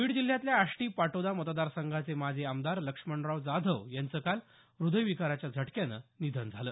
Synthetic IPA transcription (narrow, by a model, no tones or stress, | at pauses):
ʋiːɽd͡ʑil̤jat̪ljaːʂʈiːpaʈod̪amət̪d̪aɾsəŋɡʱat͡semad͡ʑʱeamd̪aɾləkʂməɳɾaʋd͡zad̪ʱəʋjant͡səkal | ɾud̪əjʋikaɾat͡ɕjad͡zʱəʈkjanə̰nid̪ʱənd͡zʱaləː